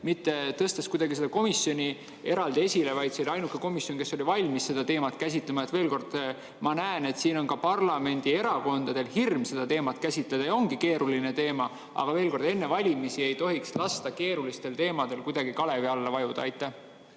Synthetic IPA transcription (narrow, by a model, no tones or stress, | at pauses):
mit̪ːˑe̞t̪ɤst̪eskujd̪̥ɑɡise̞d̪̥ɑko̞misːjo̞nʲi | e̞ɾɑld̪ie̞sʲile̞vɑjd̪̥seliɑjnukːˑe̞ko̞misjo̞nke̞sːo̞lʲivɑlʲmisːe̞d̪̥ɑt̪e̞ːmɑt̪ˑkæs̬ʲit̪lemɑe̞t̪ːve̞ːlko̞rd̪̥ | mɑnæene̞t̪siːno̞nkɑpɑrlɑme̞nʲd̪̥ie̞ɾɑko̞nd̪ɑd̪e̞lhirmse̞d̪̥ɑt̪e̞ːmɑt̪ˑkæsʲit̪led̪ɑjɑo̞ŋɡ̥ike̞ːɾʔuline̞t̪e̞ːmɑ | ɑ̰ɡ̥ɑve̞ːlko̞rd̪e̞nːevɑlʲimisie̞jt̪o̞ɦikslɑst̪ɑke̞ːɾulist̪e̞lt̪e̞ːmɑd̪̥e̞lkujd̪ɑɡ̥ikɑle̞viɑlːɑvɑjud̪̥ɑɑjt̪ːˑæh